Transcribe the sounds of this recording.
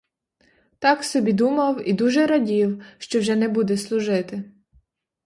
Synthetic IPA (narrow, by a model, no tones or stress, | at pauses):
t̪ɑksɔbʲid̪umɐwid̪uʒɛɾɐdʲiwʃt͡ʃɔwʒɛnɛbud̪ɛslˠʊʒɪt̪ɪ